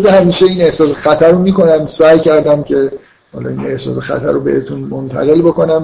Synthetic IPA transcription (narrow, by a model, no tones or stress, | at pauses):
d̪ehæmiːʃeiːne̞hsɒːsexæt̪ʰæɾomiːkʰo̞næmsæːjcʰæɾd̪æmcʰe̞ | hɒ̰lɒ̰ine̞hsɒ̰ːsexæ̰t̪ʰæ̰ɾobe̞̰et̪ʰunmont̪ʰæ̰ɣe̞lboko̞næm